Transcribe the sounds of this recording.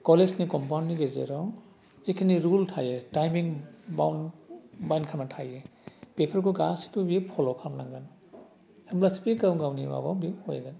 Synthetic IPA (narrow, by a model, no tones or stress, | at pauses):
kɔlesnikɔmpawniɡezɛ̰ɾɔw | zikʰiniɾultʰajɛtajmiŋba̰wnbajnkʰanatʰajɛpepʰaɹkɔɡasi̥kubipʰɔlɔkʰamlaŋɡan | hamblasipiɡawɡawniba̰ba̰wbihɔjɛ̰ɡan